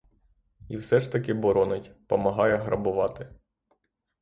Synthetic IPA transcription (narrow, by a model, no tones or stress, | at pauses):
iwsɛʒt̪ɐkɪbɔɾɔnɪtʲpɔmɐɦɑjɛɦɾɐbʊʋɑt̪ɪ